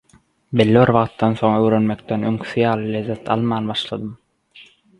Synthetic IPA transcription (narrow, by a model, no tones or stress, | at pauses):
be̞lːiβiɾβɑʁt̪ːɑnθo̞ŋøwɾø̞nme̞k̚t̪enøŋkʰi̥θijɑːlˠɯlʲezːet̪ʰɑ̰lˠmɑːnbɑʃlˠɑd̪ɯm